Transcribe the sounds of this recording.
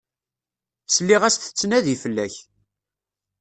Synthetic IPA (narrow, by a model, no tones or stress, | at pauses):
səlːiʁæsθə̥t͡sːnæðifəlːæç